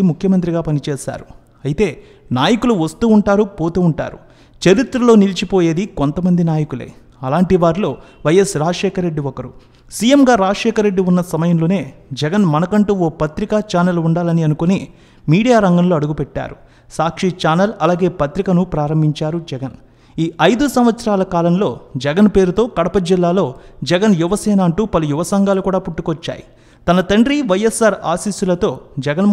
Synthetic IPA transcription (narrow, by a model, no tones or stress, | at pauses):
imukʰjɐmɐnt̪̬ɾiɡaːpɐnit͡ʃɛːʃa̰ːɾu | ɐjit̪e̞ː | naːjɐkuluʋɐst̪uːuɳʈaːɾupo̞ːt̪uːuɳʈa̰ːɾṵ | t͡ʃeɾit̪ɾɐlo̞ːnilt͡ʃipo̞ːje̞ːd̪ikont̪ɐmɐnd̪inaːjɐkulḛː | ɐlaːɳʈiʋaːɾilo̞ːʋɐjːɐsɾaːʂɛːkʰɐɾːeɖːiʋɔkɐɾu | siːjemɡaːɾaːd͡ʒʂɛːkʰɐɾːeɖːiunːɐsɐmɐjɐmlo̞ːne̞ːd͡ʒɛɡɐnmɐnɐkɐɳʈuːoːpɐt̪ɾikat͡ʃaːnɐluɳɖaːlɐniɐnukoneː | miːɽijaːɾɐŋɡɐmlo̞ːɐɽuɡupɛʈːa̰ːɾu | saːkʂit͡ʃaːnɐlɐlaːɡe̞ːpɐt̪ɾikɐnupɾaːɾɐmbʱiɲt͡ʃaːɾud͡ʒɛɡɐn | iːʔɐjd̪usɐmʋɐt̪sɐɾaːlɐkaːlɐmlo̞ːd͡ʒɛɡɐnpe̞ːɾut̪o̞ːkɐɽɐpɐd͡ʒilːaːlo̞ːd͡ʒɛɡɐnjuʋɐsɛːnaːɐɳʈuːpɐlujuʋɐsɐŋɡaːlukuːɽaːpuʈːukʋɐt͡ʃːa̰ːjḭ | t̪ɐnɐt̪ɐɳɖɾiʋɐjesaːɾa̰ːsiːsulɐt̪o̞ːd͡ʒɛɡɐn